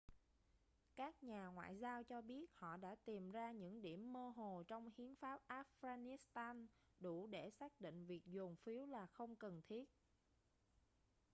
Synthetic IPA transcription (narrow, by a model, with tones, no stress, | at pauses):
kaː˦˥k̚ɲaː˨˩ŋwa̰ː˧˨jzaː˧wt͡ɕɔ˧ɓi˦˥ət̚hɔ̰˧˨ɗa̰ː˧˥t̪i˨˩mzaː˧ɲɨ̰˧˥ŋɗi˧˩əmːəː˧ɦo˨˩t͡ɕɔ˧wŋ͡mhi˨˦ənfaː˦˥p̚ʔaː˦˥f̚ɣaː˧ni˨˦˥st̪aː˧n | ɗu˧˩ɗe˧˩saː˦˥k̚ɗḭ˧˨ŋ̟vi˨˩ək̚zʊ˨˩ŋ͡mfi˨˦əwlaː˨˩xə˧wŋ͡mkə˨˩nt̪ʰi˦˥ət̚